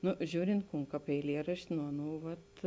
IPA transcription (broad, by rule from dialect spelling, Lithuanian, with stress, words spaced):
ˈnʊ ˈʒʲuːrʲɪnt ˈkuːn ˈkɑːp ɛɪˈlʲiɛrɐʃʲtʲɪ nʊ ˈɑːˌnuː ʋɐt